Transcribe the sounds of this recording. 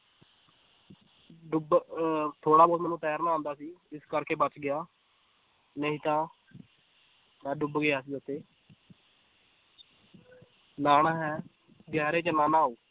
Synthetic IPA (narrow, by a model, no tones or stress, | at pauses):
ɖʊbt̪ʰoːɽaːbɔːd̪mɛːnũːt̪ɛːjaːɾnaːãːnd̪aːsiːɪskəɾkeːbət͡ʃɡɪjaː | nəĩːt̪ãː | mɛ̃ːɖʊbɡɪaːsiːət̪eː | naːnaːɦɛː | ɡɛːɾeːt͡ʃənaːnãːoː